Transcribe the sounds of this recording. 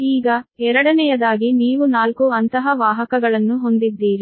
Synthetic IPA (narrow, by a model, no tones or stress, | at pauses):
iːɡɐɛɾɐɽɐnɛjɐd̪aːɡiniːʋunaːlkuɐnt̪ɐɦɐʋaːɦɐkɐɡɐɭɐnːuɦo̞nd̪id̪ːiːɾi